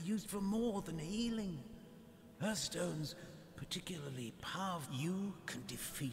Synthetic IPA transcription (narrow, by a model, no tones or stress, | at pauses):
jʉzd̥fə˞mɔɹðɨ̃nɨilˠɪ̃ŋ | hə˞stõʊ̃nz̥ | pʰə˞tʰɪkjl̩ˠə˞lˠipʰaɹvjɨkʰɨ̃ndɨfi